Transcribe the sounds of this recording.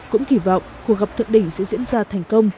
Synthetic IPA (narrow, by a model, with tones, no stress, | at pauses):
kʊ̰˧˥ŋ͡mki˧˩vɔ̰˧˨wŋ͡mku˨˩ək̚ɣa˨˩p̚t̪ʰɨ˧˨ŋɗï˧˩ŋ̟sɛ̰˧˥zḭ˧˥ənzaː˧t̪ʰa˨˩jŋ̟kə˧wŋ͡m